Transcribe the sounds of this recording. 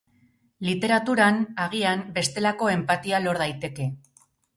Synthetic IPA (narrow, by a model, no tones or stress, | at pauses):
lit̪e̞ɾat̪uɾanaɣ̞iambe̞st̪e̞lako̞e̞mpat̪ialo̞ɾð̞ajt̪e̞ke̞